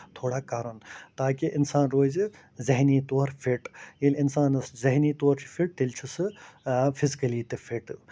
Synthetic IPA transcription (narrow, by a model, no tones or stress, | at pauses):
t̪ʰoːɽaːkaːɾɐnt̪aːkiʔɪnsaːnɾoːz | zɐɦniːt̪oːɾpʰiʈjilɪnsaːnɐszɐɦnit̪oːɾt͡ʃʰi̥pʰiʈ̚t̪elt͡ʃʰusɨpʰizkɐliːt̪efʰiʈ